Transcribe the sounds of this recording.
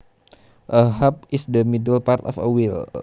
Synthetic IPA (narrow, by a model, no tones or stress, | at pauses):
ʔəɦap̚isdəmidəlpart̪ɔfə̰wil